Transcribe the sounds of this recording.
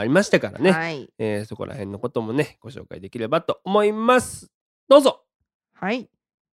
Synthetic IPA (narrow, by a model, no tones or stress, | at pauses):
aɾʲimaɕi̥t̪akaɾa̰ne̞eːso̞ko̞̰ɾʔa̰hẽ̞nːoko̞t̪o̞mo̞ne̞ɡ̥o̞ɕo̞̰ːkaid̪e̞kʲiɾe̞bat̪o̞omo̞imasɨ̥ | d̪̥o̞ːzo̞ | hai